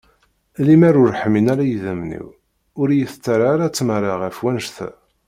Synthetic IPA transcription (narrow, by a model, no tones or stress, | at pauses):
limæɾʊɾħminaɾajəðəmnḭw | ʊɾjəθt͡sːaɾaɾæt͡sːməɾaʁæfwænʒθæ̰